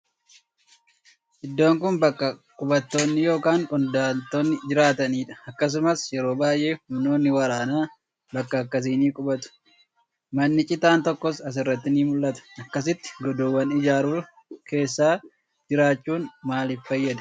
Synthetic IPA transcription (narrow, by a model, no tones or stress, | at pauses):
ʔɪd̪ːo̞ːŋkʊnbɐkːɐkʼʊbɐt̪ːo̞ːnːɪjo̞ːkaːŋkʼʊnd̪aːnt̪oːnːɪd͡ʒɪɾaːt̪ɐniːᶑɐ̥ɐkːɐs̬ʊmɐsjɛɾo̞ːbaːjʔe̞ːhʊmno̞ːnːɪwɐɾaːnaː | bɐkːɐːkːɐs̬iːniːkʼʊbɐt̪ʊ̥ | mɐnːɪt͡ʃʼɪt̪aːnt̪ɔkːɔsɐs̬ɪrːɐt̪ːɪniːmʊlːɐt̪ɐ̥ɐkːɐs̬ɪt̪ːɪ̥ɡɔd̪oːwːɐnɪd͡ʒaːɾuː | ke̞ːsːaː | d͡ʒɪɾaːt͡ʃːuːnmaːlɪffɐjːɐd̪ɐ̥